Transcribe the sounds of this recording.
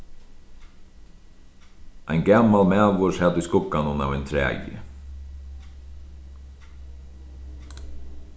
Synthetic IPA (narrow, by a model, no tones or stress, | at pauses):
ɛjnɡamalmæːvʊshɛd̪ɪskʊkːanʊna̰ːvɛjnt̪ʰɾæ̰ːjɪ̰